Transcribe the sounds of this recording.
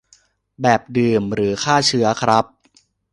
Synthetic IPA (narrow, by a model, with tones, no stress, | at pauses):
bɛː˨˩p̚dɯː˨˩mɾɯː˩˦kʰaː˥˩t͡ɕʰɯ˦˥ɐkʰɾa˦˥p̚